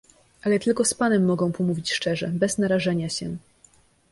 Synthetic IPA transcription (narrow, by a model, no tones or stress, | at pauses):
ʔalɛt̪ɘlkɔspanɛmːɔɡɔ̃w̃pɔmuvʲit͡ɕʂt͡ʂɛʐɛbɛznaɾaʐɛɲaɕɛ